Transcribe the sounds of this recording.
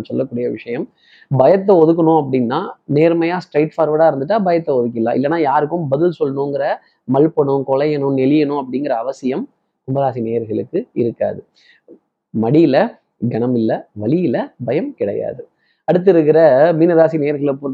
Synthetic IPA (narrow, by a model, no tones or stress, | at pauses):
sɔlːɐkːuːɽɪjɐʋɪʂɐjɐm | bɐjɐt̪̬ːɐɔðɯk̬ːɐɳʊ̃ɐp̬ːɐɽɪnːaːneːɾmɐjaːsʈɾɐɪʈfaːɾʋɐɽaːɪɾɯnd̪ɯʈ̬ːaːbɐjɐt̪ːɐɔðɯk̬ːɪlã̰ːʔɪ̰lːɐnːaːjaːɾɯkːɯmbɐðɪlsɔlːɐnõːŋɡɪɾɐ | mɐlpɐɳʊ̃kɔlɐjɛnʊ̃nɛlɪjɐnʊ̃ɐpːɐɽɪŋɡɪɾɐːʋɐsɪjɐm | tʊmbɐðaːsineːɐɾɣɐɭɯkːɯɪɾɯkːa̰ːðɯ | mɐɽijɪlɐ | ɡɐɳɐmɪlːɐʋɐɭɪjɪlɐbɐjɐmkɪɽɐ̰ja̰ːðɯ | ɐɽɯt̪̬ːɪɾɯk̬ːɪɾɐmiːnɐðaːsineːɐɾɣɐɭpː